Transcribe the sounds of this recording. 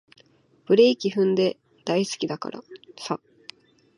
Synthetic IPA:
b̥ɯ̟ɾe̞ikʲiɸɯ̟̃nd̪e̞ | d̪̥aisɨ̥kʲid̪aka̰ɾa̰sa

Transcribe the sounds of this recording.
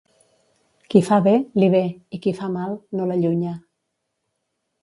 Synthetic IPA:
kifaβeliβeikifamalnolaʎuɲa

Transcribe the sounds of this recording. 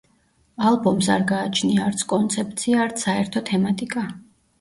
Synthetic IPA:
alˠbɔmsa̰ɾɡaːt͡ʃʰniaːɾt̪sʰkʼɔnt̪sʰɛp̚t̪sʰiaːɾt̪sʰaɛɾt̪ʰɔt̪ʰɛmat̪ʼikʼa

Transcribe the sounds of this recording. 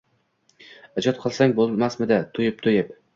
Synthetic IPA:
ad͡ʒɒt̪̚qʰɨlˠsaŋbolˠmasmɪd̪at̪ʰʊjɪp̚t̪ʰʊjɪp

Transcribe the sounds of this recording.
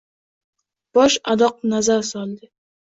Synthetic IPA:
b̥ɒʃad̪ɒq̚nazaɾsɒlˠd̪ɪ

